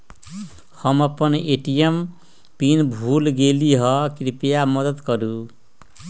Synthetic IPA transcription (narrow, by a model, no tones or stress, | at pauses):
hʌməpəneʈijem | pinbʱulɡeliɦʌkɾipjamʌd̪əd̪kʌɾu